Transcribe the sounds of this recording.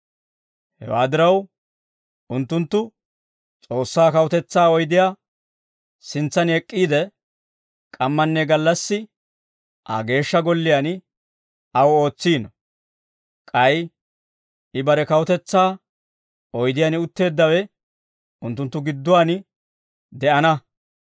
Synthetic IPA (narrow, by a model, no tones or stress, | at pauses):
hɛ̰wa̰ːd̪ɪɾɐw | ʊnt̪ːʊnt̪ːʊ | t͡sʼo̞ːsːaːkɐwʊt̪ɛt͡sːaːɔjd̪ɪjaː | sɪnt͡sːɐnɛkʼːiːd̪ɛ | kʼɐmːɐnːɛɡɐlːɐsːɪ | ʔɐ̰ɡe̞ːʃːɐɡɔlːɪjan | ɐwo̞ːt͡sːiːnɔ | kʼɐj | ɪbɐɾɛkɐwʊt̪ɛt͡sːaː | ɔjd̪ɪjanɪʊt̪ːe̞ːd̪ːɐwɛ | ʊnt̪ːʊnt̪ːʊɡɪd̪ːʊwaːnɪ | d̪ɛʔɐnɐ